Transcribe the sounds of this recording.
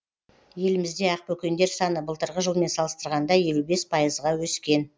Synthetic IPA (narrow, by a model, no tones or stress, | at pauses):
je̞lɪmɪzd̪e̞ɑq̚pɵkʲe̞nd̪e̞ɾsɑnəbəlˠt̪əɾʁəʒəlˠme̞nsɑlˠəst̪əɾʁɑnd̪ɑje̞lube̞spʰɑjəzʁɑwɵskʲe̞n